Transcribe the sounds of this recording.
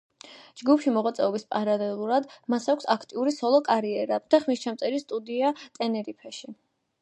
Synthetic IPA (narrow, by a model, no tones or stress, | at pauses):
d͡ʒɡupʰʃimɔʁwat̪sʼɛɔbispʼaɾalɛlˠuɾad̪masakʷʰsakʰt̪ʼiuɾisɔlˠɔkʼaɾiɛɾad̪̥aχmist͡ʃʰamt̪sʼɛɾist̪ʼud̪iat̪ʼɛnɛɾipʰɛʃi